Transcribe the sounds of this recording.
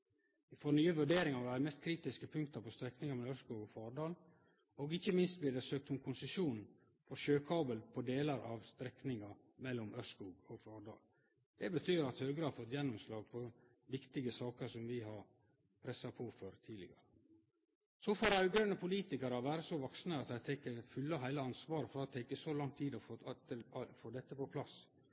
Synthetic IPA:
ɪfɔɾnyːəʋʉɖeːɾɪŋɑɾæɾmɛst̪kʰɾiːt̪ɪskəpʰʉŋk̚t̪əɾpʰɔst̪ɾɛknɪŋɑɾmɛlmœskuːɡɔfɑːɖɑːl | oɡɪçəmɪnst̪̚bleːd̪ɛsøːk̚t̪hʊnkʰʊnsəʃuːn | fɔɾʃøːkʰɑːbəlpʰɔd̪eːləɾʔɑ̰ʋst̪ɾɛknɪŋɑ | mɛlːɔmœskuːɡɔfɑːɖɑ̰ːl | d̪̥ɛbət̪ʰyːɾɑt̪høːɡəɾəɑɾfɔt̪ːjɛnːɔmslɑːɡ̚pʰɔ | ʋɪkt̪ɪɡəsɑːkəɾsɔmʋɪɦɑɾ | pʰɾɛsɑpʰɔføːɾt̪ʰiːlɪɡɑ̰ɾə | sɔfɔɾɑʉɡønəpʰʊliːt̪ɪkəɾɑʋæːɾəsɔʋɑksnəɑt̪hæɪt̪ʰɛkːəfʏlːɑɦæɪləɑnsʋɑːɾəfɔɾɑt̪ʰɛɪkːəsɔlɑŋt̪ʰiːd̪ɔf | foːd̪ɛt̪ːəpɔpʰlɑs

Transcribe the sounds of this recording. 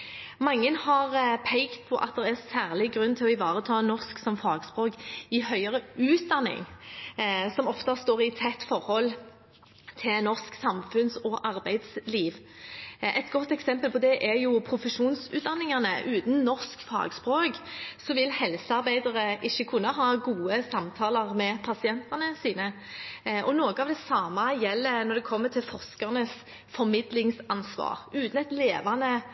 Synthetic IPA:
mɑŋːənhɑʁpʰɛɪkt̪̚pʰɔʔɑ̰t̪̚d̪ɛʁæʁsæːʁlɪɡɾʉnt̪ʰɪlɔɪʋɑːʁət̪ʰɑːnɔʁsksɔmfɑːɡspɾoːkɪhœʏəʁəʉːt̪̚d̪ɑnːɪ̰ŋ | sɔmɔft̪ɑst̪oːʁɪt̪ʰɛt̪ːfɔʁhɔl | t̪ʰɪlnɔʁsksɑmfʉnsɔʔɑʁbæɪd̪sliːʋ | ʔɛt̪ɡɔt̪ːɛksɛmpəlpɔd̪ɛʔɛɾjʊpʰɾʊfəʂuːnsʉ̰ːt̪̚d̪ɑnːɪŋɑnəʔʉːt̪n̩nɔʁskfɑ̰ːɡspɾoːksɔʋɪlhɛlsəɑɾbæɪd̪əʁəʔɪçːəkʰʉnːəɦɑːɡuːəsɑmt̪ʰɑːlɑʁmɛpʰɑsɪɛnt̪ɑnəsiːnə | ʔɔnoːɡəɑʋd̪ɛsɑːmɑjɛlːənɔɾd̪ɛkʰɔmːət̪ʰɪlfɔʁskɑʁnəs | fɔɾmɪd̪lɪŋsɑnsʋɑ̰ːʁʉːt̪n̩ɛt̪leːʋɑnə

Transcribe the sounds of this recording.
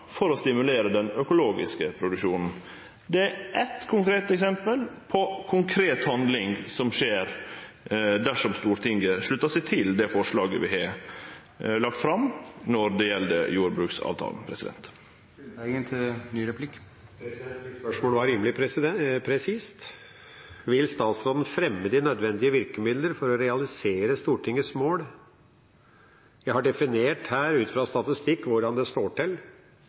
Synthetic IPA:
fɔɾɔst̪ɪmʉleːɾəd̪ɛnœkʊloːɡɪskəpʰɾʊd̪ʉkʂuːnn̩ | d̪ɛæɾʔɛt̪kʰʊŋkʰɾeːt̪ɛksɛmpəlpʰɔkʰʊŋkʰɾeːt̪hɑnd̪lɪŋsɔmʂeːɾ | d̪æʂɔmst̪uːɾt̪ʰɪŋɡəʂɭʉt̪ːɑʂɛɪt̪ʰɪld̪ɛfɔʂɭɑːɡəʋɪɦɑ | lɑkt̪fɾɑmnɔɾd̪ɛjɛld̪ə̰juːɾbɾʉːksɑ̰ːʋt̪ʰɑ̰ːln̩pʰɾɛsɪd̪ɛ̰nt̪ | ənt̪ʰnyːɾɛpʰlɪk | pʰɾɛɛnt̪mɪt̪spœʂmoːləʋɑɾiːmlɪp̪ʰpʰɾɛsiːst̪ | ʋɪlst̪ɑːt̪sɾoːd̪n̩fɾɛmːəd̪ɪnœd̪ʋɛnd̪ɪəʋɪɾkəmɪd̪ləɾfɔɾɔɾɛɑlɪseːɾəst̪uːʈɪŋːəsmoːɽ | jæɪhɑɖɛfɪneːʈhæːɾʉːt̪fɾɑst̪ɑt̪ɪst̪ɪkːʋʊɖɑnd̪ɛst̪oːʈɪl

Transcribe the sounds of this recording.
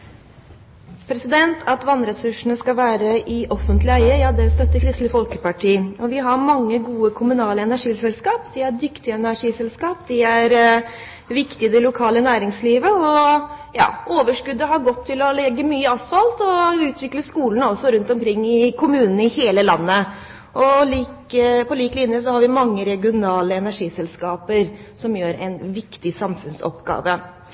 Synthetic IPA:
pʰɾɛsɪd̪ɛnt̪ʰɑt̪ʋɑnɾɛsʉʂɳ̩əskɑʋæːɾəʔɪʔɔfːənt̪lɪæɪəjɑːd̪ɛst̪œt̪ːəkʰɾɪst̪ləfɔlkəpɑʈʰiːɔʋɪɦɑɾmɑŋːəɡuːəkʰʊmʉnɑːləɛnæʂiːsɛlskɑːpd̪ɪæɖʏkt̪ɪəɛnæʂiːsɛlskɑːp̚d̪ɪæɾ | ʋɪkt̪ɪəd̪ɛlʊkʰɑːlənæːɾɪŋsliːʋəɔjɑ̰ːʔoːʋəʂkʉd̪ːəɦɑɾɡɔt̪ʰːɪlɔlɛɡːəmyːəɑsfɑlt̪ɔʉːt̪ʰʋɪkləskuːlnɔsːɔɾʉnt̪ɔmkʰɾɪŋːɪkʰʊmʉːnn̩ɪheːləlɑnːə | ʔɔliːkəpʰɔliːklɪnjəsɔhɑɾʋɪmɑŋːəɾɛɡɪʊnɑːləɛnæʂiːsɛlskɑːpəɾsɔmjøːɾɛ̰ɪnʋɪkt̪ɪsɑmfʉnsɔ̰pɡɑ̰ːʋə

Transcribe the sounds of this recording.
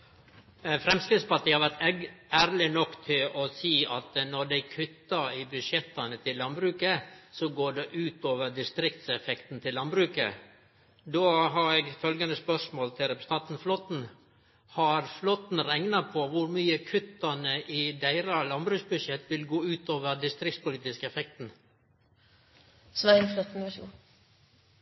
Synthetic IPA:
fɾɛmskɾɪd̪spɑʈ̪ʰiːhɑɾʋæɾʈ̪æːɾlɪnɔkːt̪ʰɪlɔsiːɑt̪nɔɖæɪkʰʉt̪ːɑɪbʉdʂjɛt̪ːɑnət̪ʰɪlːɑnbɾʉːkəsɔɡoːɖɛʔʉːt̪oːʋəɖɪst̪ɾɪk̚t̪sɛfɛkt̪n̩t̪ʰɪlːɑnbɾʉːkə̰ | d̪oːɦɑɾɛɡfœlɡɑnəspœʂmoːlt̪ʰɪlɾɛpəst̪ʰɑt̪n̩flɔt̪n̩ | hɑɾflɔt̪n̩ɾæŋnɑpʰɔʋʊɾmyːəkʰʉt̪ːɑnəʔɪd̪æɪɾɑlɑnbɾʉːksbʉʂjɛt̪ːʋɪlɡoːʉːt̪oːʋəɾɖɪst̪ɾɪktspʊliːt̪ɪskəɛfɛk̚t̪n̩ | sʋænflɔt̪n̩ʋɛʃṵːn

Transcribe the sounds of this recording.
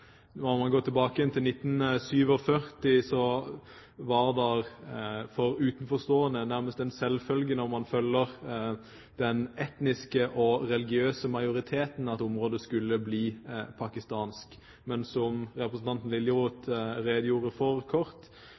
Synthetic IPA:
nɔʁmɑnɡoːt̪ʰɪlbɑːkəjɛnt̪ʰɪlnɪt̪ːn̩syːʋɔfœʁt̪ɪsɔ | ʋɑʁd̪ɛɾfɔɾʉːt̪ənfɔʁst̪oːənənæʁməst̪ɛnsɛlfœlɡənɔʁmɑnfœlːəʁ | d̪̥ɛnɛt̪nɪskəʔɔɾɛlɪɡɪøːsəmɑɪʊɾɪt̪ʰeːt̪n̩ɑt̪ʊmʁoːd̪əskʉlːəbliːpʰɑkɪst̪ɑːnsk | mɛnsɔmɾɛpɾəsn̩t̪ʰɑnt̪n̩lɪlːjəʁuːt̪ɾeːd̪əjuːʁəfɔɾkʰɔɾt̪

